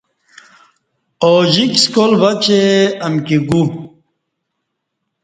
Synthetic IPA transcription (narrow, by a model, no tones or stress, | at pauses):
oʑikskolvɐt͡ɕeɐmkiɡu